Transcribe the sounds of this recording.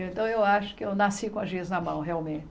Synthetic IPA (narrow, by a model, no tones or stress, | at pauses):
ẽnt̪ɐ̃w̃ewaʃʊ̥kɪewnasikõɐzviznɐmɐ̃w̃ɦeawmẽt